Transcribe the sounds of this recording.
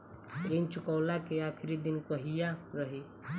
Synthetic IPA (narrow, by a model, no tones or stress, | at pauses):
ent͡ʃʊkəːlakeaːkʰɾid̪inkəɦijaɾəɦi